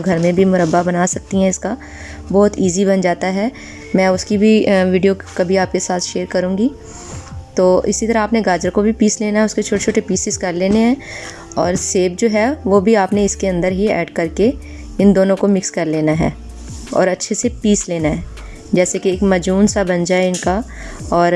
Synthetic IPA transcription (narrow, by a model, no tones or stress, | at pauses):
ɡʱɐɾmẽbʱimʊɾəbːabɐnaːsɐk̚t̪iɦɛ̃ɪska | bɔːt̪iːzibɐnd͡ʒaːt̪aɦɛː | mɛ̃ːʊskibʱiʋiːɖijokɐbʱiaːp̚kesaːt̪ʰʃeːɾkɐɾũːŋɡi | t̪oːʔɪsit̪ɐɾaaːpneɡaːd͡ʒəɾkobʱipiːsleːnaɦɛʊsket͡ʃʰoːʈet͡ʃʰoːʈepiːsɪzkɐɾleːneɦɛ̃ː | ɔːɾseːb̚d͡ʒoːɦɛʋoːbʱiaːpneɪskeɐ̃nd̪əɾɦiɛ̰ːɖkɐɾke | ɪnd̪oːnõkomɪkskɐɾleːnaɦɛ̰ː | ɔ̰ːɾɐtːʃʰesepiːsleːnaɦɛː | d͡ʒɛːsekieːkmɐd͡ʒuːnsabɐnd͡ʒaːeɪnka | ɔːɾ